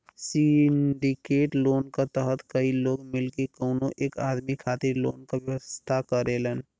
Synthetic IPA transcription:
sɪɖikeːʈloːnkat̪əɦət̪kəiloːɡmɪlkekəʊnõʔeːkaːd̪mikʰaːt̪ɪɾloːnkaʋjəwəst̪ʰakəɾeːlən

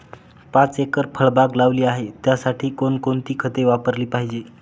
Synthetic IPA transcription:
pãt͡sekəɾpʰəɭbaɡlaʋliːaɦet̪jasaʈʰiːkonkont̪iːkʰət̪eʋapəɾliːpaɦid͡ʑe

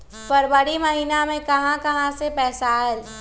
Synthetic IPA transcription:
pɐɾbəɽimɐɦiːnamẽkɐɦãkɐɦãsepɛːsaɦɛː

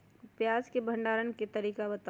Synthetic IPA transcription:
pjaːskebʱə̃ɳɖaːɾənket̪əɾiːkabət̪

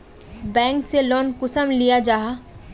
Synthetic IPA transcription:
bɛ̃ːŋkselɔːnkʊsəmlijad͡ʒaːɦa

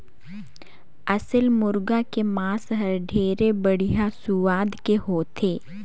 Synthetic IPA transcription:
ɐsəlmʊɾɡakemaːsɦɐɾɖʱeːɾebɐɽ̤ijasʊʋaːd̪keɦoːt̪ʰeː

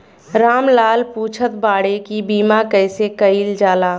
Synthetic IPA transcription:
ɾaːmlaːlpuːt͡ʃʰət̪baːɽekibiːmakəɪsekəild͡ʒaːlaː

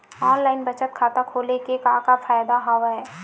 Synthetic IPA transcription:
ɔːnlaːɪnbɐt͡ʃət̪̚kʰaːt̪akʰoːlekekaːkafaːjd̪aɦaːʋɦɛː

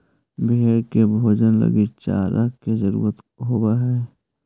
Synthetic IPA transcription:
beeɾkebʱoːd͡ʒənlə̰ɡet͡ʃa̰ːɾakezəɾṵːɾət̪ | ɦoːbaɦɛː

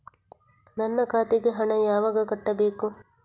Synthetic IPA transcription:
nɐnːɐkaːt̪eɡeɦɐɳɐjaːʋɐɡɐkɐʈːɐbeːku

